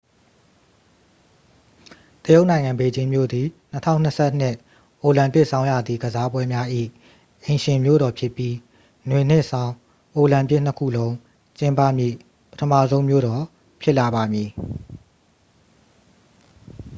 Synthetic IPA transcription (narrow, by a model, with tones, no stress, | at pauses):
t̪əjo˦ʊʔnã˨ɪ̃ŋã˨mbe˨d͡ʑɪ̃˦mjo̰˦˨d̪i˨n̥ə˦tʰã̰˦˨n̥ə˦sʰɛ˦ʔn̥ɪ˦˨ʔ | ʔo˨lã˨mpɪ˦ʔsʰã˦ʊ̃ja˨d̪ði˨ɡəza˦bwɛ˦mja˦ʔḭ˦˨ | ʔẽ˨ɪ̃ʃɪ̃˨mjo̰˦˨ɾɔ˨pʰjɪ˦pːji˦ | nwe˨n̥ɪ˦ʔsã˦ʊ̃ | ʔo˨lã˨mpɪ˦˨n̥ə˦kʰṵ˦˨lõ˦ʊ̃ | t͡ɕɪ̃˦mpä̰˦˨mjḭ˦˨ | pətʰə˦mä̰˦˨zõ˦ʊ̃mjo̰˦˨ɾɔ˨ | pʰjɪ˦ʔla˨βa˨mji˨